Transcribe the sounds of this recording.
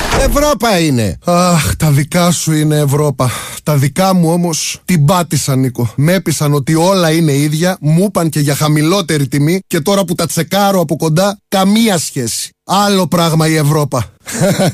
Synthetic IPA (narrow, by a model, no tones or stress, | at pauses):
evɾo̞pɐine̞̰ɐxt̪ɐðikɐsuine̞ːvɾo̞pɐt̪ɐðikɐmuo̞mo̞st̪ibɐt̪isɐniko̞me̞pisɐno̞t̪io̞lɐine̞iðʝɐmupɐnce̞ʝɐxɐmilo̞t̪e̞ɾit̪imice̞t̪o̞ɾɐput̪ɐt͡se̞kɐɾo̞ɐpo̞ko̞nd̪ɐkɐmiɐsçe̞si̥ɐlo̞pɾɐɣmɐie̞vɾo̞pɐ